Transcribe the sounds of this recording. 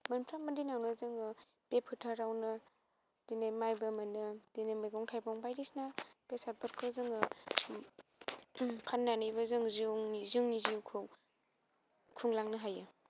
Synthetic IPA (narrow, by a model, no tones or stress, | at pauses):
mɐnmpʰɾambadinawnɯzɯŋɯ | bepʰɯtʰaɾawnɯ | dinajmajbɯmɯnɯd̥inamɯjɡɔŋtʰajpɔŋbajdisnapesat̚pʰɯɾkʰɯzɯŋɯ | pʰanːanɯjbazɯŋziŋnizɯŋniziwkʰɯ | kʰuŋlaŋnɯɦajɯ